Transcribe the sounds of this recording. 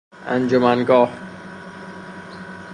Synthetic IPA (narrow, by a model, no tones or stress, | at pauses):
ænd͡ʒomænɡɒːh